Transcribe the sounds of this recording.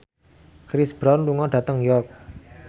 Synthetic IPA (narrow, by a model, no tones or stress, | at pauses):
kɾɪsb̥ɾɔnluŋɔɖ̥ä̤t̪əŋjɔrk̚